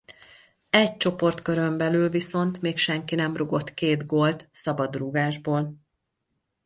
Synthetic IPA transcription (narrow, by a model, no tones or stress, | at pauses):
ɛc̚t͡ʃo̞po̞rt̪køɾømbɛlyːlviso̞nt̪meːkʃɛŋkinɛmruɡo̞t̪keːd̪ɡolt̪sɒbɒd̪ruɡaːʒboːl